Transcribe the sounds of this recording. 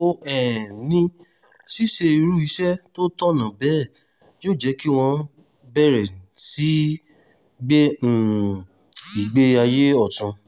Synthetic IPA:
o˧ɛ˨nĩ˧ | si˦ʃe˧i˧ɾu˦i˧˦ʃɛ˦to˦tɔ˦˨nã˨bɛ˨˦˨ | jo˦˨d͡ʒɛ˨˦ki˦w̃ɔ̃˧ | bɛ˦˨ɾɛ˨ti˦ | ɡ͡bẽ˦˨ | i˨ɡ͡be˦a˧je˦ɔ˦˨tũ˧

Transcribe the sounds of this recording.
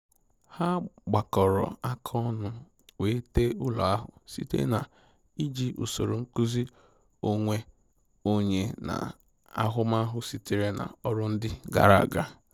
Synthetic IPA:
ha˦ɡ͡ba˨kɔ˨ɾɔ̰˨a˦kʰɔ˦nʊ˦ | we˨˦te˦ʊ˦lɔ̰˨a˦ɦʊ̰˨sḭ˦tḛ˦na˨ | i˦d͡ʒi˦ʔṵ˨so˨ɾo˨ŋ̩˦ku˦zi˦ | o˦ŋʷe˦ | o˦ɲe˨na̰˨ | a̰˦ɦʊ˦ma˦ɦʊ˦si˨ti˨ɾe˦na̰˨ɔ˦ɾʊ˦n̩˦dɪ˦ɡa̰˨ɾa̰˨ɡa˦

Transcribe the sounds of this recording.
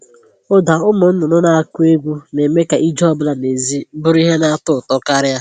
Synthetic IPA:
ʊ˦da˨ʊ˦mʊ˨n̩˦dʊ˨nɔ˦na˨a˦kʊ˦e˦ɡʷu˦ne˨me˦ka˨ʔi˦d͡ʒɔ˦bʊ˦la˨ne˨zi˦bʊ˦ɾi˦ɦe˦na˦tʊ˦˨tɔ˦ka˦ɾja˦

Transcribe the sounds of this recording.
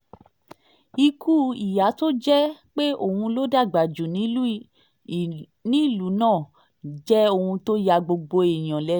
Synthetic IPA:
i˧kʰu˦˨i˨ja˨˦to˦d͡ʒɛ˦k͡pe˦o˦˨hũ˧lo˦da˦˨ɡ͡ba˨d͡ʒu˨nĩ˨˦lu˦ | nĩ˨˦i˦˨lu˨˦nãː˦˨ | d͡ʒɛ˦o˦˨hũ˧to˦ja˧ɡ͡bo˧ɡ͡bo˧e˨j̃ã˨lɛ˨˦

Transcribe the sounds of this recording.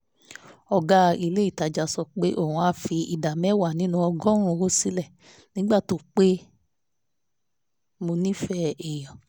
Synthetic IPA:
ɔ˨ɡa˧˦i˧le˦i˦˨ta˨˧d͡ʒa˨˧sɔ˧k͡pe˦ʔo˦˨ũ˧a˧˦fi˧ḭ˨da˨mɛ̃˨˦wa˦˨nĩ˨˦nũ˧ɔ˧ɡɔ̃˦ɾ̃ũ˧wo˦si˧˦lɛ˦˨ | nĩ˦ɡ͡ba˦˨to˨k͡pe˦ | mo˧nĩ˦fɛ˧e˨jɔ̃˨

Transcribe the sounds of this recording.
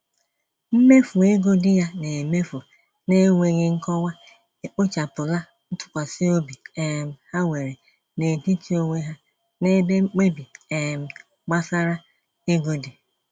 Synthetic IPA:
m̩˦me˦fu˨e˦ɡo˦dɪ˦ja˦ne˨me˦fu˨ | ne˦ŋʷe˨ɣe˨ŋ̩˦kɔ˦wʷa˦ | e˦k͡po˦t͡ʃa˨pʊ˨la˦ | n̩˦tʊ̥˨kʷa˨si˦o˦bi˨e˨m̩˨ha˦ŋʷe˨ɾe˨ | ne˨di˦tʰi˨˦o˦ŋʷe˦ɦa˦ | ne˦be˦ŋ͡m̩˦k͡pe˦bi˨e˨m̩˨ | ɡ͡ba˦sa˦ɾa˦ | e˦ɡo˦di˨

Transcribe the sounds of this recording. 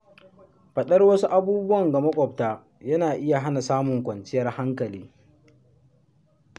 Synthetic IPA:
ɸɐ˨ɗɐ˦rwɐ˦su˦ʔa˦buː˦bʊ˦wɐ˨ŋɡa˨mɐ˦kʷʼɔ˨p̚taː˦ | jɐ˦naː˨ʔɪ˦ja˨ɦa˦na˨saː˦mʊ˨ŋkʷɐ˨nt͡ʃɪ˦jɐ˦rha˦ŋkɐ˨liː˦

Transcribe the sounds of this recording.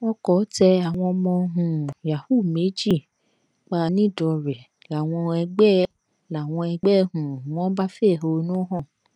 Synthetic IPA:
ɔ˦kɔ˨˦tɛ˧a˨w̃ɔ̃˧mɔ̃˧ɦũ˨ja˨hu˦˨me˨˦d͡ʒi˦˨ | k͡pa˧nĩ˦˨dɔ˧˨ɾɛ˨ | la˨w̃ɔ̃˧ɛ˧ɡ͡bɛ˦ | la˨w̃ɔ̃˧ɛ˧ɡ͡bɛ˦hũ˨ɔ̃˦ba˦fe˦˨ɦo˧nũ˦ɦɔ̃˦˨

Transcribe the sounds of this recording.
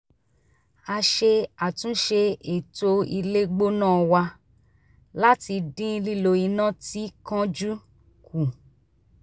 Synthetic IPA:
a˧ʃe˧a˨tũ˦ʃe˧e˨to˧i˧le˦ɡ͡bo˦nãː˦˨wa˧ | la˦ti˧dĩ˦li˦˨lo˧i˧nã˦ti˦kã˦d͡ʒu˦ | kʰu˨

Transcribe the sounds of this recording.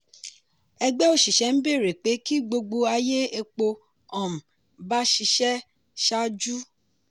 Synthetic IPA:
ɛ˧ɡ͡bɛ˦o˧ʃi˨ʃɛ˨˦n̩˦be˦˨ɾe˨k͡pe˨˦ki˦ɡ͡bo˧ɡ͡bo˧a˧je˦e˧k͡po˧ | ɔ̃˨m̩˨ | ba˦ʃi˧ʃɛ˦ | ʃa˦d͡ʒu˦

